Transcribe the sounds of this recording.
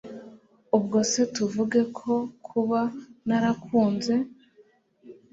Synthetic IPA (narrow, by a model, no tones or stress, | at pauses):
ubɡose̞tuvuɡekʰo̞kʰuβanaɾakʰuːnze̞